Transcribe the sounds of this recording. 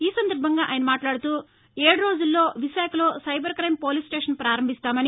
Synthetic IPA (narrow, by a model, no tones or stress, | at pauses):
iːsɐnd̪ɐɾbʱɐŋɡaːʔa̰ːjnɐmaːʈlaːɽut̪uː | eːɽɐɾo̞ːd͡ʒulːo̞ːʋiʃaːkɐlo̞ːsɐjbɐɾkɾɐjmpo̞ːlisʈeːʂɐnpɾaːɾɐmbʱist̪aːmɐni